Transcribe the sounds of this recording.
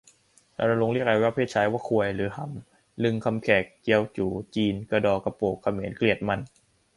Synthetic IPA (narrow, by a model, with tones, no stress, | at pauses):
ɾa̰˧na˧lo˧ŋli˥˩ək̚a˧˥waː˦˥˩pʰeː˥˩t͡ɕʰaː˦˥jwaː˧˥˩kʰu˧əjlɯː˩˦ha˩˦m | lɯ˧ŋkʰa˧mkʰɛː˨˩k̚ːi˧əwt͡ɕuː˩˦t͡ɕiː˧nkaː˧dɔː˧˩ka˧poː˨˩kʰːa˧meː˩˦nkli˨˩ət̪̚ma˧n